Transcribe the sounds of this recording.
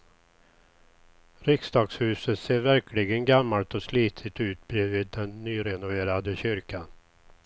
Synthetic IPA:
ɾɪksd̪ɑːɡshʉ̟ːsət̪seːɾvæɾkʰlɪɡənɡamːalt̪ɔsliːt̪ʰɪt̪ʉ̟ːt̪bɾiːvɪːd̪ːɛnːyːɾɛnʊveːɾad̪əɕʏɾkʰan

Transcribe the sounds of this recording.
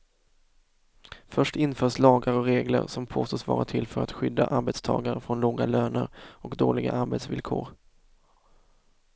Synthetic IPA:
fœʂʈɪnfœːʂlɑːɡaɾɔɾeːɡlə̰ɾsɔmpʰoːst̪oːsvɑ̰ːɾat̪ʰɪlfœɾat̪ɧʏd̪ːaʔaɾbɛt̪st̪ʰɑ̰ːɡaɾəfɾɔnloːɡaløːnəɾɔkd̪oːlɪɡa̰ʔaɾbɛt̪svɪlkʰoːɾ

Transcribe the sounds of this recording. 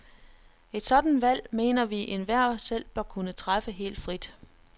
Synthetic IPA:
e̝d̥sɒ̽d̥n̩ʋæl̰me̝̰ːnɐʋiʔenʋæɐ̰sel̰b̥ɶɐkʰunət͡sʰʁafəɦe̝̰ːld̥fʁid̥

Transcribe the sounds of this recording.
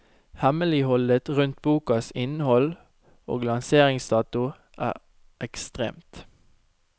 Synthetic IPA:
hɛməlɪhɔlət̪ʁʉnt̪̚buːkɑsɪnəhɔl | o̰ːɡlɑnseːʁɪŋsd̪ɑːt̪ʊ | ʔæ̰ːʁ | ʔɛkst̪ʁḛːmt̪

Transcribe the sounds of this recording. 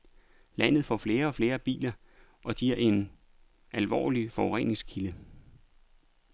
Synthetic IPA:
læn̰ð̞̩ˠfɒ̰fle̝ːɐɒ̽fle̝ːɐb̥ḭːlɐ | ʔɒ̽ɡ̥iɐe̝n | ʔælʋɒ̰ːlifɒʊʁɛ̰neŋsɡ̥kʰilə

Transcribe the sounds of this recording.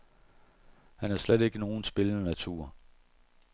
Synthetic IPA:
hænæɐsled̥e̝ɡ̥əno̝ːn̩sb̥e̝lənənæt͡sʰuɐ̰

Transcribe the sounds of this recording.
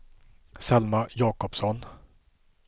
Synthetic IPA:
sɛlmajɑːkɔpsɔn

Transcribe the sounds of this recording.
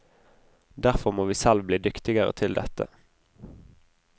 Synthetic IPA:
d̪æʁfɔʁmoːʋiːsɛlʋbliːd̪ʏkt̪ɪɡəʁə̰t̪ʰɪld̪ɛt̪ə̰

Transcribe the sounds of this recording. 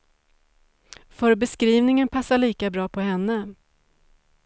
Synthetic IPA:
fœɾbɛskɾiːvnɪŋənpʰasːaɭiːkabɾɑːpʰɔhɛnːə

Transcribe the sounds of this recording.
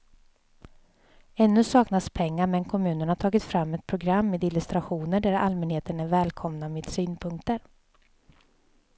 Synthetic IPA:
ɛnːɵsɑːknaspʰɛŋːaɾmɛnkʰɔmʉ̟ːnəɳhaʈʰɑːɡɪt̪fɾamːɛt̪̚pʰɾʊɡɾamːeːd̪ɪlɪst̪ɾaɧuːnəɖæɾa̰lmɛnheːt̪ənæɾvɛːlkʰɔmnameːd̪syːnpʰɵŋk̚t̪əɾ

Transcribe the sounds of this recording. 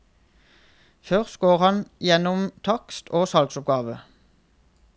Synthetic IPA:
fœʁsɡ̥oːʁhɑnjɛnɔmt̪ʰɑkst̪ʰoːsɑlɡsʊp̚ɡɑːʋə

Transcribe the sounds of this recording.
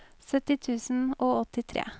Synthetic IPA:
sœt̪ɪt̪ʰʉːsn̩oːɔt̪ɪt̪ʰɾḛː

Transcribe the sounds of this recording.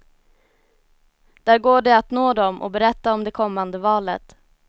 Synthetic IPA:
d̪̥æːɾɡoːɖɛat̪noːd̪ɔmʔɔ̰bɛɾɛt̪ːaɔmd̪ɛkʰɔmːand̪əvɑːlə̰t̪

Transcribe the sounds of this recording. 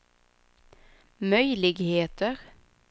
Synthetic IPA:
mœʏlɪɡheːt̪əʁ

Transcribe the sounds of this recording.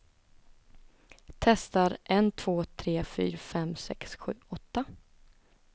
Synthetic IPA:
t̪ʰɛst̪aɾʔɛnt̪ʰv̥oːt̪ʰɾeːfy̰ːɾafɛmsɛ̰ksɧʉ̟ːɔt̪ːa

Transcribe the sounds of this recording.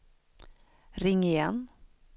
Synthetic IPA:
ɾɪŋːɪjɛn

